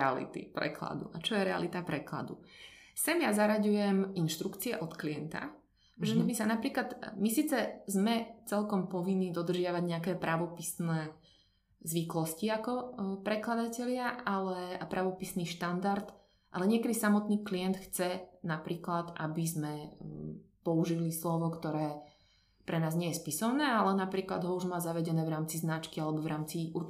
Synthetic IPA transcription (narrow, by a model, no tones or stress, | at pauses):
ɛa̰lḭt̪ḭpɾɛ̰kla̰d̪ṵat͡ʃɔjɛɾɛa̰lit̪apɾɛkla̰d̪ṵsɛmjazaɾaɟujɛminʃt̪ɾukt͡siɛʔɔt̪kliɛnt̪a̰ | ʒɛmisanapɾiːklad̪misiːt͡sɛzmɛt͡sɛlkɔmpɔʋinːiːd̪ɔd̪r̩ʒɪaʋaɟɲɛakɛːpɾaʋɔpisnɛː | zʋiklɔsciakɔpɾɛklad̪acɛʎɪaʔalɛapɾaʋɔpisniːʃt̪and̪aɾt̪ | ʔa̰lɛɲɪɛkɛd̪isamɔt̪niːkliɛnt̪xt͡sɛnapɾiːklad̪ʔa̰bizmɛ | pɔuʒilislɔʋɔkt̪ɔɾɛː | pɾɛnaːzɲɪɛjɛspisɔʊnɛːalɛnapɾiːklad̪ɦɔuʒmaːzaʋɛɟɛnɛːʋɾaːmt͡siznat͡ʃkialɛbɔvɾʔaːmt͡siʔuɾ